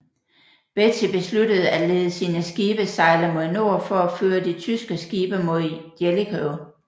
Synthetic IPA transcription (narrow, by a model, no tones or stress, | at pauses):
b̥et͡sʰeb̥e̝sludəð̞̩ˠæleːðˠəsiːnəsɡ̥iːb̥əsɑ̈ɪlɐmo̝ðˠno̝̰ɐ̰fɒ̽æføːɐd̥it͡sʰysɡ̥əsɡ̥iːb̥ɐmo̝ð̰ˠd̥jelikʰœʊ